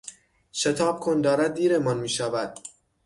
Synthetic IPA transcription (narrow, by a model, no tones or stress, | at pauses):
ʃet̪ʰɒːb̚kʰond̪ɒːɾæd̪̚ːiːɾemɒnmiːʃævæd̪̥̚